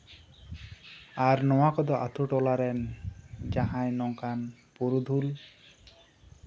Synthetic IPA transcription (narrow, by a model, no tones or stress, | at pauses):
aɾnɔwakɔd̪ɔʔa̰t̪ʰuʈɔlaɾɛnd͡ʒaɦãjnɔŋkanpuɾud̪ʱul